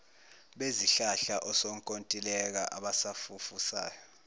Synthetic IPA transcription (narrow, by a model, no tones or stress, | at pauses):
ɓeziɬaɬaʔɔsɔŋkʼontʼilɛk̬a̰ʔaɓasafufusa̰ːjɔ